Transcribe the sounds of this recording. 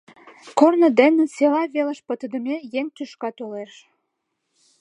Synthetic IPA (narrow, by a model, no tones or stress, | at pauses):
kornə̆d̪enə̆selɑβelə̆ʃpət̪ə̆d̪ə̆mejeŋt̪yʃkɑt̪oleʃ